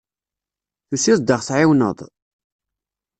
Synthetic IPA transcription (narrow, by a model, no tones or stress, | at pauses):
θusisd̪əʁθʕɪwnə̰ðˤ